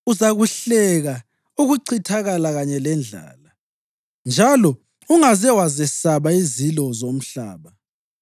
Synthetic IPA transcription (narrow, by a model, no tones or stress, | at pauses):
uzaɣuɬɛɣa | uɣuǀʰitʰaɣalaɣaɲɛlɛnd͡ɮʱa̰ːla | nd͡ʒʱalɔ | uŋazɛwazɛsaβaizilɔzom̩ɬa̰ːβa